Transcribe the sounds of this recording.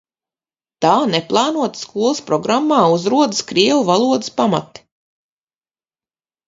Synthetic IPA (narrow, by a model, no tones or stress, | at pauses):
t̪aːneplˠɑːnuɔt̪skuɔlˠspɾɔɡɾamːaːuzɾuɔd̪ɨskɾiɛwuvalˠuɔd̪ɨspamat̪i̥